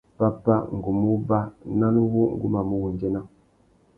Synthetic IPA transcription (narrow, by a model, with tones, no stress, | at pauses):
pa˦pa˦ŋ̩˨ɡu˨mu˦ba˦na˦nu˦wu˦ŋ̩˦˨ɡu˦ma˨mu˦wu˨n˨d͡ʒe˦na˦